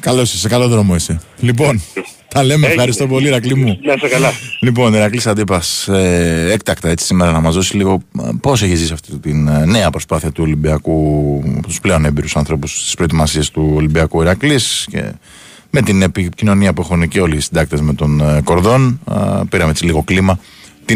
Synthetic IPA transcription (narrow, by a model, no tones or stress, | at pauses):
kɐloisɐsekalo̞ðɾo̞mo̞iselip̬o̞n | t̪ɐle̞meːfxɐɾist̪o̞po̞liɾɐklimunɐsekɐlɐlipo̞niɾɐklisɐd̪ipɐseek̚t̪ɐkt̪ɐe̞t͡si̥simeɾɐnɐmɐzðo̞siliɣo̞po̞se̞çizisiɐft̪it̪inne̞ɐpɾo̞spɐθiɐt̪uolimbiɐkupt̪usple̞o̞nebeɾusɐnθɾo̞pust̪ispɾo̞et̪imɐsiest̪uo̞limbiɐkuiɾɐklisce̞̰ | me̞t̪ine̞picino̞niɐpue̞xunceo̞lisind̪ɐk̚t̪e̞zme̞t̪o̞nko̞ɾðo̞n̰piɾɐmee̞t͡siliɣo̞klimɐ | t̪i